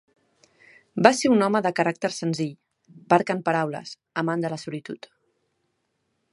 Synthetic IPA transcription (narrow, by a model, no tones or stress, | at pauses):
baseunɔməðəkəɾak̚t̪əɾsənziʎ | paɾkəmpəɾawlə̰s | əmand̪ələsulit̪ut̪